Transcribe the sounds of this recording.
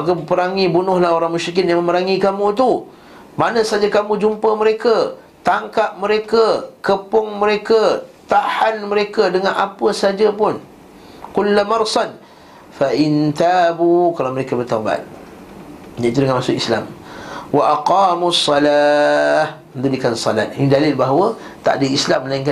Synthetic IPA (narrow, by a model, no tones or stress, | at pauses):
makəəpəɾaŋibunʊhlahɦoɾaŋmuʃɾik̬ɪt̪̚jaŋmə̃məɾaŋikamũt̪̬u | manə̃sad͡ʒakamũd͡ʒumpəməɾeka | t̪aŋkap̚məɾekakəpʊŋməɾekaət̪ahanməɾekədəŋana̰pəsad͡ʒapʊn | qʊlːamɑrsan | faʔɪnt̪aːbukalaməɾekabərt̪aba̰t̪̚ | ɲaʔit̪udəŋanmasʊkisla̰mwaʔaqɑːmusˤːɑlaːhmənd̪udikansɔla̰t̪̚ʔinidalɪlbaɦawət̪a̰ʔdəislamːəlaiŋka